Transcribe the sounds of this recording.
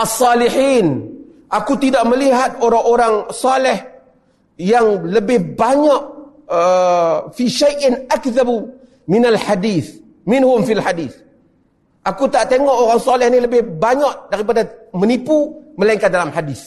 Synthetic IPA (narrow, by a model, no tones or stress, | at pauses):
ʔasːɑliħiːn | ʔakut̪idaʔməliɦat̪̚oɾaŋoɾaŋsɑlɛh | jaŋləbɪhbaɲaʔ | əfiʃajʔɪnʔakðab | mɪnalħadiːθ | mɪnhʊmfilħadiːθ | ʔakut̪aʔt̪eŋɔʔoɾaŋsalɛhniləbɪhbaɲaʔdaɾipadamənipuməlaiŋkadalamħadiθ